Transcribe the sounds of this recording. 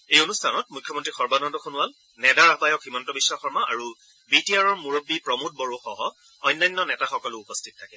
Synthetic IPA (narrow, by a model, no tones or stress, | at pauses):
ejonustʰanɔt̚mujkʰːjɔmɔntɹixɔɹbanɔndɔxʰonʊal | nɛdaɹaɦbajɔkximɔntɔbiswaxɔɹmaʔa̰ɹu | bitiaɹɔɹmuɹobːipɹɔmut̚bɔɹoxɔɦɔ | ɔjnːajnːɔnɛtaxɔkɔlʊupɔstʰitɔtʰakɛ